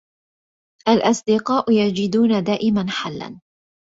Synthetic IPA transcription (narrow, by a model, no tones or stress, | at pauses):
ʔalʔɑsˤd̪ɪqɑːʔʊjad͡ʒɪd̪uːnad̪aːʔɪmanħalːa̰n